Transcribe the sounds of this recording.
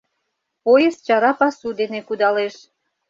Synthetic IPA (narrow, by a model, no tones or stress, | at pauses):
pojəst͡ɕɑɾɑpɑsud̪enekud̪ɑleʃ